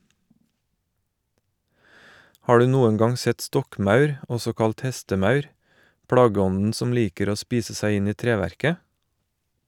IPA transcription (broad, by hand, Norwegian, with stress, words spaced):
ˈhɑː ˈɖʉː ˈnuːən ˈɡɑŋ ˈsɛt ˈstɔkˌmɑʉɾ ˈɔsɔ ˈkɑlt ˈhɛstəˌmɑʉɾ ˈpɽɑːɡəˌɔnn̩ ˈsɔm ˈliːkəɾ ˈoː ˈspiːsə ˈsæɪ ˈɪn ˈiː ˈtɾeːˌʋæɾkə